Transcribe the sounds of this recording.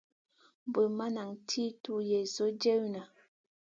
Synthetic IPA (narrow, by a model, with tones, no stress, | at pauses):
m˦bə˨ma˦na˨ŋtʰi˦tu˦jɛ˨zo˦d͡ʒe˦wna˨